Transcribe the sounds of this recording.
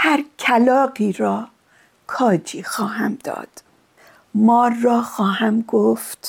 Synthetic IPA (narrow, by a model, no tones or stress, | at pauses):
hæɾcʰælɒːɢiːɾɒː | kʰɒːd͡ʒiːxɒːɦæmd̪ɒ̰ːd̪̥ | mɒːrːɒːxɒːhæmɡoft̪